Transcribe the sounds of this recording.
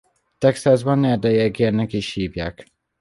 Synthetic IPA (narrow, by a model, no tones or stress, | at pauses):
t̪ɛksazbɒnːɛrd̪ɛjɛɡenɛkiʃhiːvja̰ːk